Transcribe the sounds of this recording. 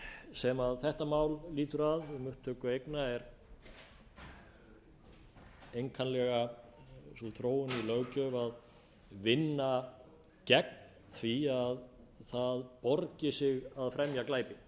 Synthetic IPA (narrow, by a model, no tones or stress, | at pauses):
sɛmaðθɛht̪amaːwlliːt̪ʏɾaðɪmʏht̪ʰːœːkʏejknaɛɾ | ejŋkʰanlɛɣa | sɔθɾoːwʏnilœɣcœvað | vɪnːa | cɛk̚nnn | θviaðθaðpɔɾcɪsɪɣaðfɾɛmjaklaːjpɪ